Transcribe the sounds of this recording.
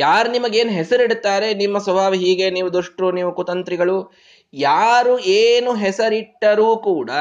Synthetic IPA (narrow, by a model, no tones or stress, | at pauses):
jaːɾunimɐɡe̞ːnɦɛsɐɾiɽt̪ːaːɾe̞nimːɐsʋɐbʱaːʋiɦiːɡe̞niːʋud̪uʂʈɾuniːʋukut̪ɐnt̪ɾiɡɐɭu | jaːɾueːnuɦɛsɐɾiʈːɐɾuːkuːɽɐ